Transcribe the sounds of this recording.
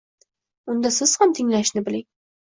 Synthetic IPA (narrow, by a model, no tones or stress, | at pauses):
ʊnd̪asɪz̥hamt̪ʰɪŋlaʃnɪbɪlɪŋ